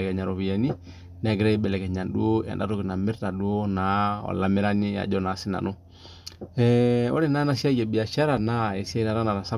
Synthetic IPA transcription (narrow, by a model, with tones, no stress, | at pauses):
ɛ˨kɛ˨ɲa˨ɾɔ˨βi˨ja˨ni˦ | nɛ˨˦ɡɾɛ˦i˦bɛ˨lɛ˨kɛ˨ɲa˨ndu˦a̰˨nda̰˦ɾo˦kɪ˨na˨mɪ˦ɾta˨ɗu˦na˨˦ɔ̰˨la˨mɪ˦ɾa˦ni˦a̰˨ɟɔ˦na˨˦si˦na̰˨nu˦ | ɛo̰˦ɾɛ˦na˦na˦si˦a˦je˨bi˨a˨ʃa˦ɾa˨na˦ɛ˨si˦a˦i˦na˨ɾa˦na˨ɾa˨sa˦